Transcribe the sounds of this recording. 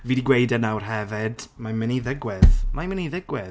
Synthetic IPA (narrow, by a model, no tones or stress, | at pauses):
viːdiɡwejdɛnawr̥ɦɛvɪdmamɪniðɪɡwɛðmajmɪniðɪɡwɛð